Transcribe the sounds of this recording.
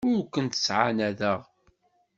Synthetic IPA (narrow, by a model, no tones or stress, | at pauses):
ʊɾkʷːənt̪ə̥sʕanæðəʁ